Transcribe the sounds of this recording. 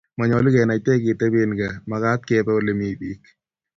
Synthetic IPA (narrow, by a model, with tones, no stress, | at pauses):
ma˨ɲɔ˨li˦kɛ˨na˨tɛ˦k̬ɪ˨te˦be˦nɡa˨ma˨ka˦t̪̚kɛ˦pɛ˦o˦le˨mi˨bi˦k